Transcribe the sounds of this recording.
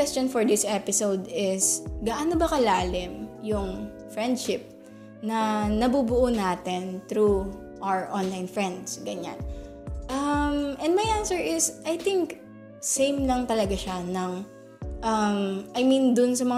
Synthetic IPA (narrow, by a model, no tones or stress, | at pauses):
wɛstt͡ʃɔnfɔɹd̪ɪsʔɛpɪsowd̪ɪsɡaːʔɐnobɐkɐlaːlɪmjʊŋ | fɹɛnd̪̚ʃɪp̚ | nɐnɐbubʊʔonaːt̪ɪnt̪ɾu | ʔawəɹʔɔ̃nlajnfɹɛ̃nd̪sɡɐɲa̰n | ʔɐmɛ̃nd̪̚mɐjʔansɛɹʔɪsʔɐjt̪ɪŋk | sẽjmlɐŋt̪ɐlɐɡaʃanɐŋ | ʔɐmʔɐjmind̪ʊnsɐmɐŋ